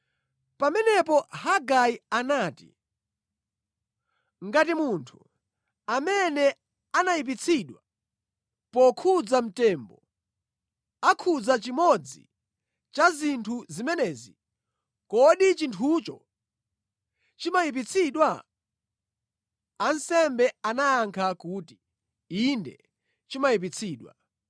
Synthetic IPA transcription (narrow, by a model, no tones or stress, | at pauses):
pamɛnɛpɔhaɡajianaːtḭ | ŋ̩ɡatimuntʰu | amɛnɛ | anajip̬it͡sʰiɗwa | pɔkʰud͡zam̩tɛːmbɔ | akʰud͡zat͡ʃimɔd͡zḭ | t͡ʃazintʰuzimɛnɛːzi | kɔɗit͡ʃintʰut͡ʃɔ | t͡ʃimajip̬it͡sʰiɗwa | ansɛmbɛanaaŋkʰakuti̥ | indɛ̰ | t͡ʃimaip̬it͡sʰiːɗwa̰